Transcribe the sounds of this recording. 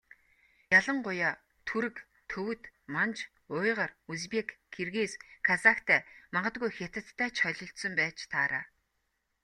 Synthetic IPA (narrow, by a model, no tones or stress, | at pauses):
jaɮə̆ɴɢʊjaː | t̪ʰuɾɘ̆k | t̪ʰːɵwɵ̆t̪mant͡ɕ | ʊːjʁə̆ruspʲekxerɣeːskʰasakt̪ʰæːmaɴɢə̆t̪̚ɡujxet̪ɘ̆t̪ːæːt͡ɕχœɮʲɞ̆ɬt̪sɞ̆mpæːt͡ɕt̪ʰaːɾaː